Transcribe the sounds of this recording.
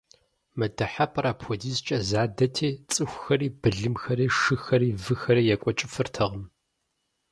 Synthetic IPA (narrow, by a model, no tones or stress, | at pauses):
mɐdɐħapʼɐɾaːpxʷɔdiːzt͡ʃʼɐzaːdɐtʰeːt͡sʼɨxʷxɐriːb̥ɨɮɨmxɐɾiːʂɨxɐɾiːvɨxɐɾiːjɛkʷʼɔt͡ʃʼɪfɨrtʰɐʁɐm